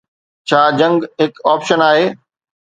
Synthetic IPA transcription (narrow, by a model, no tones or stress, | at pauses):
t͡ɕʰaːd͡ʑɐ̃ŋɡɦɪkaːpʃənaːɦeː